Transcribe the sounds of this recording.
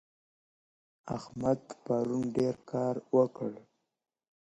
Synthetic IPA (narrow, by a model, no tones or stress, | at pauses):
a̰hmad̪paɾunɖeɾkʰɑɾwəkəɽ